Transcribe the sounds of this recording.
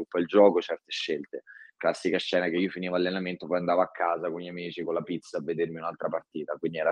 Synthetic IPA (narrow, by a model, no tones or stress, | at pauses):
upːaild͡ʒɔːkot͡ʃɛrt̪eʃːelt̪eklasːikaʃːɛːnakeiːofiniːvoalːenament̪opɔjand̪aːvoakʰːaːzakonʎamiːt͡ʃikolapit̪saːvːed̪ermiunalt̪ɾapart̪iːt̪akwind̪iɛɾa